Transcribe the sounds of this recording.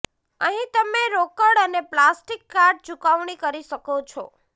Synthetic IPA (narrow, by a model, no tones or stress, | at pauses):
əɦĩt̪əmeɾokəɽəneplasʈikːaɾʈ̚t͡ʃukaʋɳ̃ikəɾiʃəkot͡ʃʰo